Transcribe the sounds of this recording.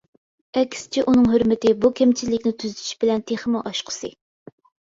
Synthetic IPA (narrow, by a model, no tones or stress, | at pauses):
ɛkʲst͡ʃʰɛʔunɨŋɦøɾmɪt̪ɪbukʲʰɛmt͡ʃʰizlːɪkʲnɪt̪ʰyzt̪ʰy̥ʃb̥ɪlɛnt̪ʰeχəmʊʔɑʃqʰə̥sɨ